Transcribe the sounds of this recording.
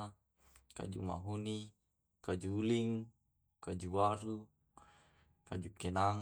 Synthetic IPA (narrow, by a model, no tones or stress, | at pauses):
ka̰d͡ʒuma̰ɦuni | kad͡ʒuːliŋ | kad͡ʒuwaɾu | kad͡ʒukɛnaŋ